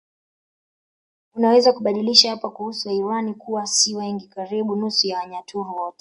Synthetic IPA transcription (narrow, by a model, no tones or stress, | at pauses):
unawɛzakuɓaɗiliʃahapakuhusuaiwanikuwasiwɛŋɡikaɾiɓunusujaaɲatuɾuwɔtɛ